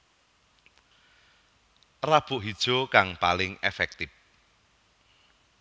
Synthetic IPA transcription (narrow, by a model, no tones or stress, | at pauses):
rab̥ʊ̤ʔɦid̥ʒ̥o̤kaŋpalɪŋḛfɛk̚t̪ɪp̚